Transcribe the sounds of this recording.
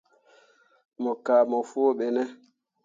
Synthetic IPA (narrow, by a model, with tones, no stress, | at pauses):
mɔ˨kaː˨mɔ˨fu˦o˦ɓɛ˨nɛ˦